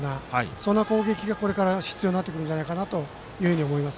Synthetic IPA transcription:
nasõ̞nːako̞ːɡe̞kʲiɡako̞ɾe̞kaɾaɕi̥t͡sɨjoɲʲinat̪ːekɯɾɯ̟ɲ̟d͡ʑanaikanat̪o̞ | jɯ̟ːɸɯ̟ɲ̟io̞mo̞imasɨ̥

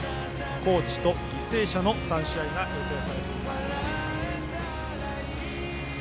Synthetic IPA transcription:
ko̞ːt͡ɕi̥t̪o̞ɾʲise̞ːɕano̞sãɰ̃ɕiaiɡaʔeːk̪ʲo̞ːsaɾe̞t̪e̞imasɨ̥

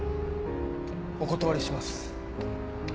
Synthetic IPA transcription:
oko̞t̪oβaɾʲiɕimasɨ̥

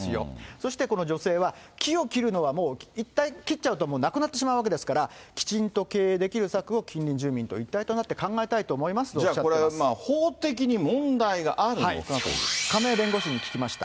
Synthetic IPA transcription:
sɨjo̰so̞ɕi̥t̪e̞ko̞no̞d͡ʑo̞se̞ːβakʲʰio̞kʲiɾɯ̟no̞βamo̞ːit̪ːaikʲitt͡ɕːaɯ̟t̪o̞mo̞ːnakɯ̟nat̪ːe̞ɕ̬imaɯβake̞d̪esɨ̥kaɾakʲi̥t͡ɕĩnt̪o̞ke̞ːd̪e̞kʲiɾɯ̟sakɯ̟o̞kʲʰĩnɾʲĩɲd͡ʑɨːmʲĩnt̪o̞it̪ːait̪o̞nat̪ːe̞kãŋɡaet̪ait̪o̞ːmo̞imasɨ̥oaɕatkoɾesmahoːt̪e̞k̬ʲiɲ̟imõnd̪aiɡaʔaɾɯ̟ai̥kame̞ːbẽ̞ŋɡo̞ɕ̬iɲ̟ːikʲi̥kʲimaɕi̥t̪a

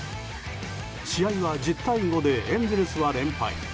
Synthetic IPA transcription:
ɕiaiβad͡ʑit̪ːaiɡod̪ẽ̞ːɲɡeɾesɨβaɾẽ̞mpa̰ḭ

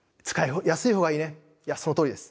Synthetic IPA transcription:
t͡sɨ̥kaeɦojasɨiho̞ːɡaiːne̞ | jaso̞no̞t̪oːɾid̪e̞sɨ̥

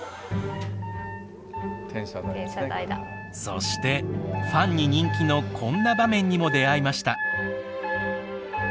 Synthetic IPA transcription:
t̪ẽ | so̞̰ɕi̥t̪e̞ɸãɲ̟ːiɲ̟ĩŋkʲino̞kʰõ̞nːabamẽ̞ɲ̟ːimo̞d̪e̞aimaɕi̥t̪a

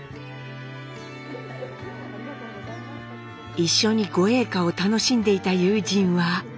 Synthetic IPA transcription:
iɕːo̞ɲ̟iɡo̞e̞ːkao̞t̪ano̞ɕĩnd̪e̞it̪ajɯːʑĩɰ̃βa

